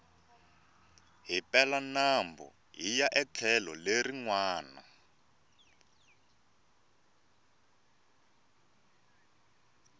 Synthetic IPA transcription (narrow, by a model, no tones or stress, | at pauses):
ɦipɛlanambɔ̰ | ɦijaʔɛt͡ɬʰɛlɔleriŋwaːna̰